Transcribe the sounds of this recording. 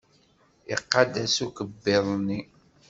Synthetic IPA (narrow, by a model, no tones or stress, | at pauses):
ɪ̰qːad̪æsukəbːɪðˤni